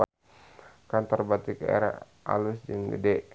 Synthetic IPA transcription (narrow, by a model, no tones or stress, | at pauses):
a | kant̪ɔrbat̪ikaḛɾa̰ | ʔa̰lusd͡ʒəŋɡə̰dɛʔ